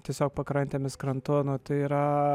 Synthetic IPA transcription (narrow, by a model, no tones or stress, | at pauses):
t̪ʲiɛsʲoːk̚pɐkɾɐnʲt̪ʲeːmʲɪskɾɐnt̪ʊnʊt̪ɐɪiːɾɐ